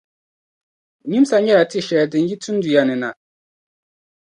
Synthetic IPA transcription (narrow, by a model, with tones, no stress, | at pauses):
ɲi˦m˦sa˨ɲɛ˦ɾa˨ti˦˨ʃɛ˨dɪ˨˦ji˦tʰu˦n˦du˨ja˨nɨ˨na˨